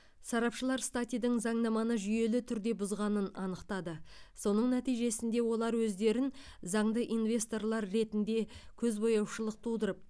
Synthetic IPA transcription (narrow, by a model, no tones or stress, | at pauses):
sɑɾɑpʃəlˠɑɾst̪at̪ʲijd̪əɴzɑɴnɑmɑnəʒʏje̞lɪt̪ʰʏɾd̪e̞bʊzʁɑnənɑnəqt̪ɑd̪əso̞nəɴnæt̪ijʒe̞sɪnd̪e̞wo̞lˠɑɾwɵzd̪e̞ɾɪn | zɑɴd̪əʔijnvʲe̞st̪o̞rlˠɑɾːe̞t̪ɪnd̪e̞kʲʰɵzbo̞jɑwʃəlˠəq̚t̪ʰud̪əɾəp̚